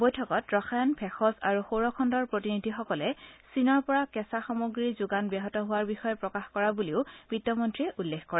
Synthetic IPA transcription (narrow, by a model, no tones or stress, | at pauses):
bojtʰɔkɔtɹɔxajɔnpʰɛxɔza̰ɹuxowɹɔkʰɔndɔɹpɹotinidʱixɔkɔlɛsinɔɹpɔɹakɛsaxɔmoɡɹizʊɡanbɛɦɔtɔɦʊwaɹbixɔjɔpɹɔkaxkɔɹabuliʊb̥itːɔmɔntɹiʔulːekʰkɔɹɛ